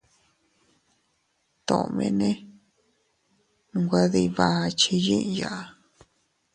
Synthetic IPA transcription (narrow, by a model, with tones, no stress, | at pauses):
t̪õ̰˨˧mḛ̃˧nẽ˦ | ŋɡʷa˦ði˧βa˧˦˧t͡ʃi˧jĩ˦ʔja˨ʔa˧